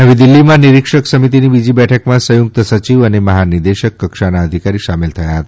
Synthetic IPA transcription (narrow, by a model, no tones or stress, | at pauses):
ɦəʋid̪ilːimãniɾikʂəksəmit̪inibid͡ʑibɛʈʰəkmasəjuk̚t̪əsət͡ɕiʋəneməɦaniɾd̪eɕəkːəkʂanaəd̪ʱikaɾiːʃamelt̪ʰəjaɦət̪